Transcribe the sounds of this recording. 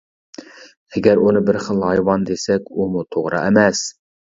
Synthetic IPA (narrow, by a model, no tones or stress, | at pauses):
ɛɡʲæɾunɨbɪɾχəlˠhɑjwɑnd̪esɛkʲumut̪ʰoʁɾɑ̰ʔɛmɛs